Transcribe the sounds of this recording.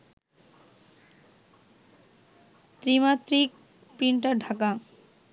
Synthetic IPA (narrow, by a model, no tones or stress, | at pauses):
t̪ɾimat̪ɾik̚ | pɾiɳʈaɖʱaka